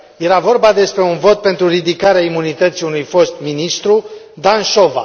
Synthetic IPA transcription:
je̞ɾavo̞rbad̪e̞spɾe̞unvo̞t̪̚pe̞nt̪ɾuɾid̪ikaɾeaimunit̪ət̪siunujfo̞st̪minist̪ɾu | d̪anʃo̞va̰

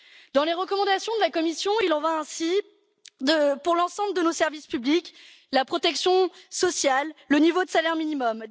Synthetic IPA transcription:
d̪ɑ̃leʁəkɔmɑ̃d̪asjɔ̃d̪əlakɔmisjɔ̃ilɑ̃vaɛ̃si | d̪əpuʁlɑ̃sɑ̃bləd̪ənosɛʁvispyblik | lapχɔt̪ɛksjɔ̃sɔsjalːənivod̪əsalɛʁminimɔm

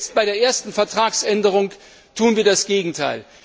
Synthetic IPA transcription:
t͡st̚b̥aɪɾeːɐʔeːɐstn̩fɛɐtʁ̥aːksʔɛndəʁʊŋ | tʰuːənviːɐdasɡ̥eːɡŋ̩tʰa̰ɪl

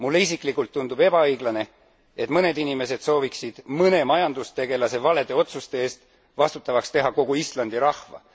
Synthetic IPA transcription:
mulːeisikˑlikːˑult̪ːund̪ub̥e̞b̥ɑɤjɡ̥lɑne̞ | e̞t̪mɤne̞d̪inime̞s̬e̞d̪̥so̞ːviksid̪̥mɤne̞mɑjɑnd̪ust̪e̞ɡ̥e̞lɑse̞vɑle̞d̪e̞o̞t̪sust̪eeːst̪ | vɑst̪ut̪ːˑɑvɑkst̪e̞ɦɑko̞ɡuislɑnd̪̥iɾɑhvɑ̰

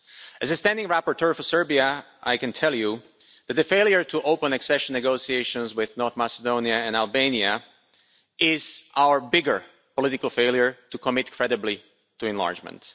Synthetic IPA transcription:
ʔɨzɨstæ̃ndɪ̃ŋɹæpəɹtʰɜ˞fə˞sɜ˞biə | ʔaɪkɨ̃ntʰɛlˠju | ðæt̪̚ðɨfeɪlˠjə˞tʰuʔoʊpə̃nɨksɛʃə̃nːɨɡoʊsieɪʃə̃nzwɪðnɔɹθmæsədõʊ̃niɨɨ̃nælˠbẽɪ̃niə | ʔɪz̥ʔaʊə˞bɪɡə˞ | pɔlɪɾɪkl̩ˠfeɪlˠjə˞tukʰəmɪtkʰɹ̥ɛɾɨbli | tuɨ̃nlɑ̰ɹd͡ʒmə̰̃nt

